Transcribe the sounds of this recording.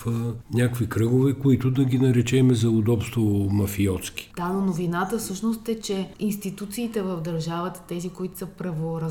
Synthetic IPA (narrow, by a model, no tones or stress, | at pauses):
fnʲakvikɾɤɡovɛkoit̪ʊd̪ɐɡʲinɐɾɛt͡ʃɛmɛzɐʊd̪ɔpst̪vomɐfiɔt̪skʲi̥d̪̥anonovinat̪əfsɤʃnost̪ɛt͡ʃɛinst̪it̪ut̪siːt̪ɛvəvd̪ɐɾʒavət̪ə̥t̪ɛzikoit̪ʊ̥səpɾɐvoɾɐ